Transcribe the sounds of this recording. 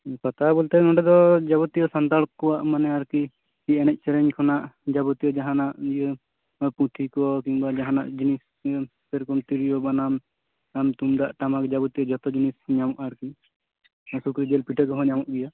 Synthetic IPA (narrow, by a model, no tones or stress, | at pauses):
pat̪abɔlt̪ɛŋɔɖɛd̪ɔd͡ʒabɔt̪ijɔsant̪alkɔwaʔmanɛaɾki | iɛñɛc̚ˀt͡ʃɛɾɛɲkʰɔnaʔd͡ʒabɔt̪ijɔd͡ʒaɦanaʔjə | pũt̪ʰikɔkiŋbad͡ʒaɦanaʔd͡ʒinis | pɛɾkɔmt̪iɾijɔbanam | amt̪umd̪aʔʈamakd͡ʒabɔt̪ijɔd͡ʒɔt̪ɔd͡ʒinisɲamɔʔaɾki | sukɾid͡ʒɛlpiʈʰəkɔɦɔ̃ɲamɔʔɡɛja